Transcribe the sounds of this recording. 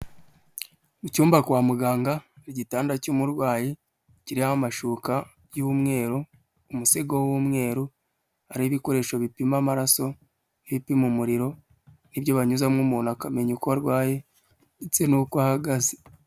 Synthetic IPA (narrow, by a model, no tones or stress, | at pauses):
mucuːmbakwaːmuɡaːŋɡaɾɟitaːndacuːmuɾɡwaːje | ciɾihahamaʃuːka | jumŋe̞ːɾoː | museɡowumŋe̞ːɾu | aɾiβiko̞ɾe̞ʃoβipimamaɾaso̞ | eβipimumuɾiɾo̞ | nibɟo̞βaɲuzamŋumuːnhakame̞ɲukoβaɾɡwaːje̞ | it͡se̞nukwaːhaɡaze